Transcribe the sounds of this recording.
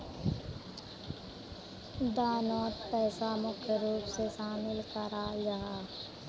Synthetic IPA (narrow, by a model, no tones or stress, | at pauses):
d̪aːnɔːt̪pɛːsamʊkʰjəɾuːpseʃaːmɪlkəɾajaɦaː